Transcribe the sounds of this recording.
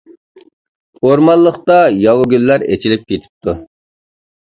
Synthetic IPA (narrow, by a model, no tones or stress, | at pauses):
oɾmɑlˠːəχt̪ɑjɑwʊɡʲylːæɾet͡ʃʰilɪp̚kʲʰet̪ʰɪ̥p̚t̪ʰu